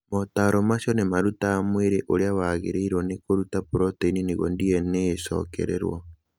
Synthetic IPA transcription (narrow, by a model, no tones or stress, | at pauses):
motaɾɔmaʃɔnemaɾutaːmweɾeʔoɾeawaɣḛɾeiɾwɔnekoɾutapuɾɔteniniɣɔ̰ndiɛnesɔ̰kɛ̰ɾɛ̰ɾwɔ̰